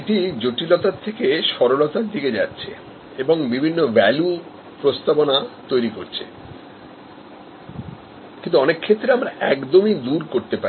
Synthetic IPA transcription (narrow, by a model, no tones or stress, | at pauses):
eʈid͡ʑoʈilɔt̪at̪ʰekeʃɔɾolot̪aɾd̪iked͡ʑa̰tːɕʰḛ | eboŋbibʱinːovɛlu | pɾost̪abonat̪ojɾikoɾt͡ɕʰe̥̰ | kĩnt̪uɔnekʰːet̪ːɾeamɾaɛkd̪omid̪uɾkoɾt̪epaɾi